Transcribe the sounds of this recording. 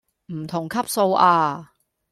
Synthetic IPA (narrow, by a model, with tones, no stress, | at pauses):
m̩˨˩t̪ʰʊ˨˩ŋkʰɐ˥p̚so˧wʔaː˧